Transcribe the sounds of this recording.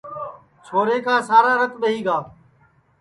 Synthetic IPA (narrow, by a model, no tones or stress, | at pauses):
t͡ʃʰoːɾeːkaːsaːɾaːɾət̪ɓəɦiːɡaː